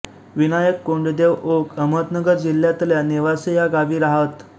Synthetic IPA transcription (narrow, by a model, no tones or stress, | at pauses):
ʋinajəkːoɳɖd̪eʋokəmət̪nəɡəɾd͡ʑilːjat̪ljaneʋasejaɡaʋiːɾaɦət̪